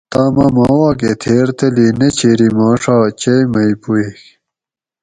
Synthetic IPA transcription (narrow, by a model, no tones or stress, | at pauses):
t̪amɐmaːwaːket̪ʰeːɾt̪ɐlinet͡ɕʰeːɾimaːʂaːt͡ɕemɐjpuix